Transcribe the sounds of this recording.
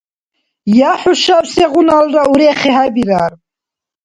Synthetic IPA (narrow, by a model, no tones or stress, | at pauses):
jaħuʃawsɛʁunalɾauɾɛχɛɦabiɾaɾ